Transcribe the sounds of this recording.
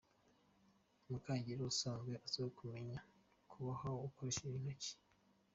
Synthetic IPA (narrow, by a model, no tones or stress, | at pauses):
mukaːɲɟiɾosaːnzɡweʔasoikʰume̞ɲa | kʰuβahaoːkoɾeʃeβinaci̥